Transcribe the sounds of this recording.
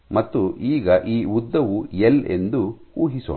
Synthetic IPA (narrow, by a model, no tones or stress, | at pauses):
mɐt̪ːuʔiːɡɐʔiːud̪ːɐʋujele̞̰nd̪u | uːɦisṵ